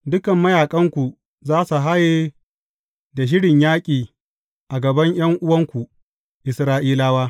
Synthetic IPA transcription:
dʊ˦kɐ˨mːɐ˦jaː˨kʼɐ˦ŋkʷu˨ | zaː˦su˨ɦa˦jeː˦ | da˨ʃ̬ɪ˦ɽɪ˨ɲjaː˦kʲʼiː˨ | ʔa˨ɡɐ˨bɐ˦ɲj̰ɐ˦ŋʔʊ˦wɐ˦ŋkʷu˨ | ʔɪ˨sɾaː˦ʔiː˦laː˦waː˦

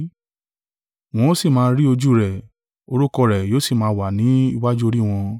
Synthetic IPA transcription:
w̃ɔ̃˦si˦˨mãː˧ɾi˦o˧d͡ʒu˦ɾɛ˨ | o˧ɾu˦kɔ˧˨ɾɛ˨joː˦si˦˨mãː˧wa˨nĩ˨˦i˧wa˦d͡ʒu˦o˧ɾi˦w̃ɔ̃˧

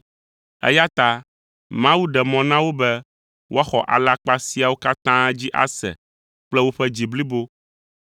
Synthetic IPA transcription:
ɛ̰˦ja˦t̪a˦ | mã˦wu˦ɖɛ˨mɔ̃˨nã˦wo˦bɛ˦ | wʔo˦a˦xɔ̰˨ʔa̰˨la˦k͡pa˦si˦a˨wo˦ka˦t̪ã˦d͡ʑi˦ʔa̰˦sɛ̰˨ | k͡plɛ˦wo˦ɸɛ˦d͡ʑi˨bli˦bo˦

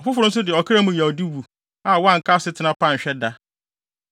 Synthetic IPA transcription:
ɔ˨fʊ˦fʊ˨ɾʊ̃˦n̩˦s̬ʊ˦dɪ˨ɔ˨kʰɾa˦mũ˨jɛ˨ɔ˨di˦wu˨ | a˨wã˦˨ŋ̩˨kʰa˦sɪ˦tʰɪ˨nã˦pã˦˨ɲ̩˨ɕᶣɛ˦da˦

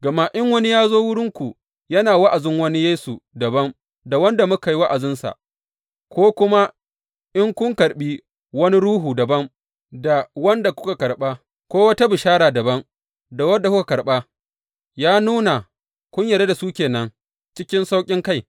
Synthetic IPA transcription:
ɡ̥ɐ˨ma˦ʔɪ˦ŋwɐ˦ni˦jaː˦zoː˦wʊ˦ɽɪ˦ŋkʷu˨ | jɐ˦naː˨wa˦ʔa˨zɪ˦ŋwɐ˦ni˦jeː˦su˨dɐ˨bɐ˦n | da˨wɐ˦nda˨mʊ˦ka˨jwa˦ʔa˨zɪ˦nsa̰˨ | kʷoː˦kʷʊ˦ma˦ | ʔɪ˦ŋkʷʊ˦ŋkɐ˨ɽɓi˦ | wɐ˦ni˦ɽuː˦ɦuː˨dɐ˨bɐ˦ŋ | da˨wɐ˦nda˨kʷʊ˦ka˨kɐ˨ɽɓa˦ | kʷoː˦wɐ˦ta˦bɪ˨ʃaː˦ɽaː˨dɐ˨bɐ˦ŋ | da˨wɐ˦da˨kʷʊ˦ka˨kɐ˨ɽɓa˦ | jaː˦nuː˦na˨ | kʷʊ˦ɲjɐ˨ɾa˦da˨suː˦kʲeː˨nɐ˦ŋ | t͡ʃɪ˦kʲɪ˦nsa˦wkʲʼɪ˦ŋka˦j

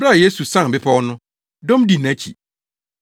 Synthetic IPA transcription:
bɾa˦˨je˦su˨sã˦˨bɪ˦pʰa˦wɔ˦nʊ̃˦ | dɔ̃˦m˦di˨n˨æ˦t͡ɕʰḭ˨

